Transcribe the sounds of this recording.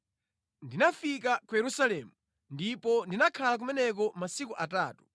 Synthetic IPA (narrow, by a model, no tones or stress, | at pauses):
ndinafik̬akujɛɾusalɛːmu | ndipɔndinakʰalak̬umɛnɛk̬ɔmasikuʔataːtu̥